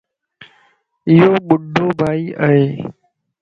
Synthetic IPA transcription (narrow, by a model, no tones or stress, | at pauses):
ɪjoːɓʊɖʱːoːbʱaːiːʔəɦeː